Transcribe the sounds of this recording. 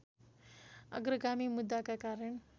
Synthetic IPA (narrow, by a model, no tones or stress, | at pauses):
ʌ̰ɡɾəɡamimud̪ːakakaɾəɳ